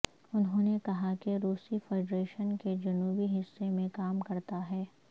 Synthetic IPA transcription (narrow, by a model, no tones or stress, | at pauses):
ʊnɦõːnekɐɦakeɾuːsifɛːɖɾeːʃənked͡ʒɐnuːbiɦɪsːemẽkaːmkɐɾt̪aɦɛː